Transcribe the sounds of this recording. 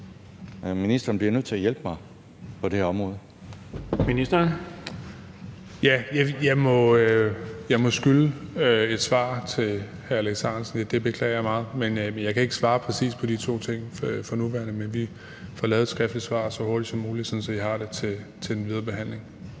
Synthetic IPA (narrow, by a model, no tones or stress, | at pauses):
minisd̥ɐːnbliɐnøð̰ˠt͡sʰe̝æjel̰b̥mɑ̈ɪ | pʰɒ̽d̥ehɒ̽mʁɔ̽ːð̞̩ˠ | minisd̥ɐn | jæjɑɪjɑ̈ɪmɒ̽øjɑ̈ɪmɒ̽sɡ̥yləøe̝d̥sʋɑ̰̈ːt͡sʰe̝l | hæɐæleɡ̥sɑnsn̩jæd̥e̝b̥e̝kʰlɛ̰ːɐjɑmɑ̈ːð̩ˠmenenjɑ̈ɪkʰæe̝ɡ̥əsʋɑ̈ːpʰʁɛsḭːspʰɒ̽d̥it͡sʰo̝̰ːt͡sʰe̝ŋ̰fɒnuʋæɐnəmenʋi | fɒlɛːðˠedsɡ̥ʁɛfd̥li̥sʋɑ̰̈ːsɒ̽ho̝ɐd̥id̥sɒ̽mːuːli̥sɒ̽nsɒ̽ihɑ̈ɾ̥e̝t͡sʰe̝t͡sʰe̝̥enʋið̞ˠɐːb̥e̝ɦæn̰le̝ŋ